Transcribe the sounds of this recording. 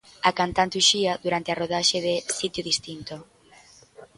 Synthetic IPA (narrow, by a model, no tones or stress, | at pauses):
akant̪ant̪uʃiaðuɾant̪earoð̞aʃeðesit̪joðist̪int̪o